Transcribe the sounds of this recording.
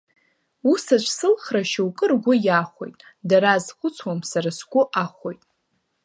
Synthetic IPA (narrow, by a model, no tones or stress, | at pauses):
usat͡ʃʷʰʼsɨlχraʃawkʼɨrɡʷʊjaχʷo̞̰jtʼ | daɾazχʷʊt͡sʰwamsaɾasɡʷʊʔaχʷo̞jtʼ